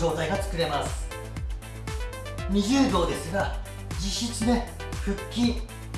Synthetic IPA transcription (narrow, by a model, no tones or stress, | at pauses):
o̞ːt̪aiɡat͡sɨ̥kɯ̟ɾe̞masɨ̥ | mʲiʑɨːb̪o̞ːd̪e̞sɨɡa | d͡ʑiɕːit͡sɨd̪e | ɸɯ̟kʲːi